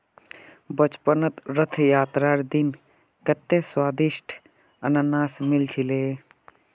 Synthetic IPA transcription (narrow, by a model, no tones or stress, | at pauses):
bət͡ʃpənət̪ɾət̪ʰjaːt̪ɾaːɾd̪in | kɐt̪ːeswaːd̪iʃʈʰ | ɐnanaːsmilt͡ʃʰileː